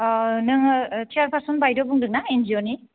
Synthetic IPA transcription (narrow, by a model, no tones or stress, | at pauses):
nɯŋtʰiaɾpʰaɾsɔnbajdobuŋdɯŋ̚naend͡ʒioni